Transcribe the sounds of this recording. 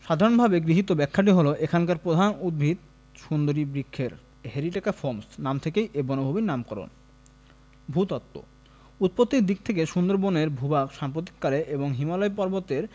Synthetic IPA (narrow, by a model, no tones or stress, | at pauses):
ʃad̪ʱaɾonbʱabeɡɾiɦit̪obɛkʰːaʈ̬iɦoloʔekʰaŋkaɾpɾod̪ʱanud̪̚bʱit̪̚ | ʃund̪oɾibɾikʰːeɾ | heɾiʈekafoɾmsnamt̪ʰekejʔebɔnobʱobinamkɔɾo̰n | bʱut̪ɔt̪ːo̰ | ut̪̚pot̪ːiɾd̪ik̚t̪ʰek̬eʃund̪oɾboneɾbʱubakʃampɾot̪i̥kːaɾeʔeboŋɦimalɔepɔɾbot̪eɾ